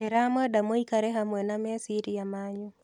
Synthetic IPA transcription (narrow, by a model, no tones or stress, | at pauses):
ɛɾamɔdamoikaɾɛɦamwɛnamɛsiɾiamaɲo